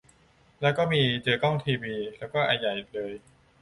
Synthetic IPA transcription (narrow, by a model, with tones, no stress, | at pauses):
lɛː˦˥wkɔː˥˩miː˧t͡ɕɤː˧kɔ˥˩ŋt̪ʰiː˧wiː˧lɛː˦˥wkɔː˥˩ʔaː˧ja˨˩jʔi˨˩k̚lɤː˧j